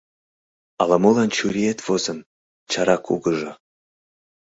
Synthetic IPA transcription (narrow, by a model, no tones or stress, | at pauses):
ɑlɑmulˠɑnt͡ɕuɾʲiet̪vozɤ̆n | t͡ɕɑɾɑkʰṵɡɤ̆ʒɤ̆